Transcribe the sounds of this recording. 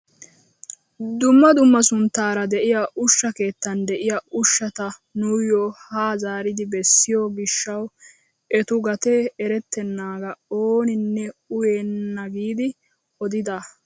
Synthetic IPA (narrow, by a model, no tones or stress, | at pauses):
d̪ʊmːɐd̪ʊmːɐsʊnt̪ːaːɾɐd̪ɛʔɪjɐʔʊʃːɐke̞ːt̪ːɐnd̪ɛʔɪjɐʔʊʃːɐt̪ɐnuːjɔːhaːzaːɾɪd̪ɪbɛsːɪjoːɡɪʃːɐw | ʔɛt̪ʊɡɐt̪eɛɾɛt̪ːɛnːaːɡɐoːnɪnːɛʊjeːnːɐɡiːd̪ɪ | ɔd̪ɪd̪a